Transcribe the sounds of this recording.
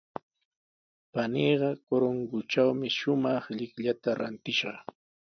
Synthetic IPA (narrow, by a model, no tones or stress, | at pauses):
paniːɢɑkoɾoŋɡʊt͡ʃawmɪʃʊmɑχʎɪkʎat̪aɾa̰nt̪ɪʃɑχ